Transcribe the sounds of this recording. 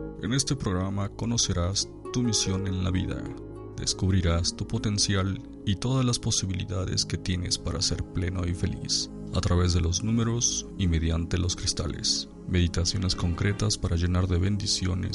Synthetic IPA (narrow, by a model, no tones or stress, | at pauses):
ene̞st̪e̞pɾoɣɾamako̞no̞se̞ɾas | t̪umisjo̞ne̞nlaβiða̰ | d̪e̞̰skuβɾiɾast̪upo̞t̪e̞nsjal | it̪o̞ðazlaspo̞siβilḭðaðe̞̰ske̞t̪je̞ne̞spaɾase̞ɾple̞noife̞̰lḭs | at̪ɾaβe̞zðe̞lo̞znũmeɾo̞sime̞ðjant̪e̞lo̞skɾist̪alḛs | me̞ðit̪asjo̞ne̞sko̞ŋkɾe̞t̪aspaɾaʝe̞naɾðeβe̞nd̪isjo̞̰nḛs